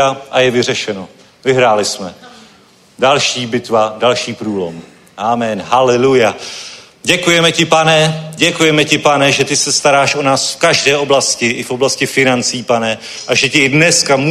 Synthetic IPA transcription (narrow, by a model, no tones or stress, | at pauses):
aʔajɛvɪr̝ɛʃɛno̞ | vɪɦɾaːlɪsmɛ | dalʃiːbɪt̪vadalʃiːpɾuːlo̞̰m | ʔaːmɛnɦalɛluja | ɟɛkujɛmɛcɪpanɛɟɛkujɛmɛcɪpanɛʒɛt̪ɪsɛst̪aɾaːʃʔo̞naːsfkaʒdɛːʔo̞blascɪʔɪfʔo̞blascɪfɪnant͡siːpanɛ | ʔaʒɛcɪdnɛskamu